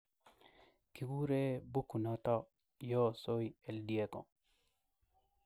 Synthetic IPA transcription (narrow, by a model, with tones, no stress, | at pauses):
ki˨ɡu˦ɾe˦bu˦kːu˨nɔ˦t̪ɔ˦ | jɔ˦so˦jɛ˨ldi˨e˦ko̰˨